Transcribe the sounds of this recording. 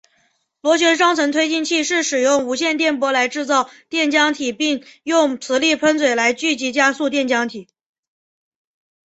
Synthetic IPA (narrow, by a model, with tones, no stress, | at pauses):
lwɔ˧˥ɕ̬ɥɛ˧˥nʂ̬wɑ˥ŋt͡sʰɤ˧˥ŋt̪ʰwe˥ɪt͡ɕi˥˧nt͡ɕʰi˥˧ʂɻ̩˥˩ʂɻ̩˨˩jʊ˥˩ŋu˧˥ɕjɛ˥˧nt̪jɛ˥˩npwɔ˥la˧˥ɪʈ͡ʂɻ̩˥˧t͡sɑ˥˧ʊt̪jɛ˥˩nt͡ɕjɑ˥ŋt̪ʰi˨˩pi˥˧ŋjʊ˥˩ŋt͡sʰɹ̩˧˥li˥˩pʰə˥nt͡sʰwe˨˩ɪla˧˥ɪt͡ɕy˥˩t͡ɕi˧˥t͡ɕja˥su˥˧t̪jɛ˥˩nt͡ɕjɑ˥ŋt̪ʰi˨˩˦